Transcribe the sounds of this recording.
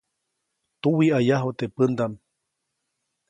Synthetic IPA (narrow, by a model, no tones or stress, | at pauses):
t̪uwiajaɦot̪epɨnd̪am